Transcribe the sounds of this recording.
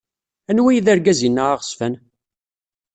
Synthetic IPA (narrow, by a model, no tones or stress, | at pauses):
ænwæjðæɾɡæzinːaʁaʁəsfæn